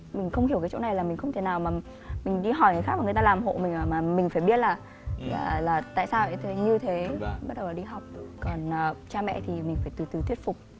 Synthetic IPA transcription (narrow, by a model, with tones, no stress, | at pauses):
mï˨˩ŋ̟xə˧wŋ͡mhi˧˩əwkaː˨˦t͡ɕo̰˧˥na˨˩jlaː˨˩mï˨˩ŋ̟xə˧ŋ͡mt̪ʰe˧˦naː˨˩wmaː˨˩ | mï˨˩ŋ̟ɗi˧ɦɔ˧˩jŋɨ˨˩xaː˦˥k̚ma˨˩ŋ˨˩t̪aː˧laː˨˩mɦo̰˧˨mi˨˩ŋ̟ʔəː˧˩maː˨˩mi˨˩ŋ̟faː˧˩jɓi˦˥ət̚laː˨˩ | a̰˧˨˩laː˨˩t̪a̰ː˧˨saː˧wʔə˧˩jt̪ʰɲɨ˧t̪ʰe˨˦˧ɓa˦˥ɗə˨˩wlaː˨˩ɗi˧ɦɔ˨˩wk͡p̚kɔ˨˩nʔːt͡ɕaː˧mɛ̰˧˨t̪ʰi˨˩mi̟˨˩faː˧˩jt̪ɨ˨˩jt̪ɨ˨˩t̪ʰwi˦˥ət̚fʊ˨˩k͡p̚